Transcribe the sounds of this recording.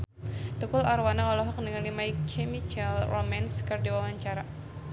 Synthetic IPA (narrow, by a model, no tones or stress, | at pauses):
t̪ukʊlarwanaɔlɔɦɔk̚dəŋalimaikʰemit͡ʃɛlromanskɨrdiwawaɲt͡ʃaɾa